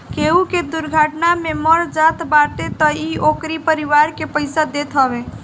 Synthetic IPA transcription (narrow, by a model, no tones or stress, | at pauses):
keuked̪uɾɡʱəʈnameməɾd͡ʒat̪baʈet̪ɔiokɾipəɾiʋaɾkepəɪsad̪et̪ɦəbe